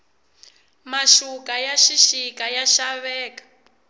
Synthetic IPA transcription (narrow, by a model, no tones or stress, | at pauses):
maʃukajaʃiʃikajaʃaβɛːkḁ